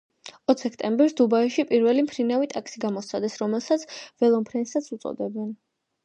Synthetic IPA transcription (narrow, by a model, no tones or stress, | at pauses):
ɔt̪ʰsʰɛkʰt̪ʼɛmbɛɾsd̪ubaiʃipʼiɾvɛlimpʰɾinavit̪ʼakʰsiɡamɔsʰad̪ɛsɾɔmɛlˠsat̪sʰvɛlˠɔmpʰɾɛnsat̪sʰut̪sʼɔ̰d̪ɛbɛn